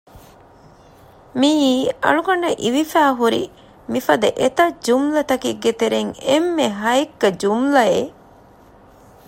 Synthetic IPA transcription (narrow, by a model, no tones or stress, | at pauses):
miːɐ̰ɭukɐɳːɐʔiʋifæːɦuɾḭ | mifɐd̪ɐʔet̪ɐd͡ʒumlɐt̪ɐkiɡet̪eɾeŋemːeɦɐekːɐd͡ʒumlɐe